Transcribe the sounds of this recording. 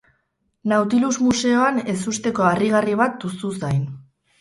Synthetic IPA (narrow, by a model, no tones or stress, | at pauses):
nawt̪ilusmuse̞o̞ane̞sust̪e̞ko̞ariɣ̞ariβ̞at̪̚ususajn